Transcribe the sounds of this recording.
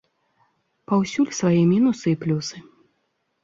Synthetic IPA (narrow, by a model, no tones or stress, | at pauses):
pawsʲulʲsvajɛmʲinusɨiplʲusɨ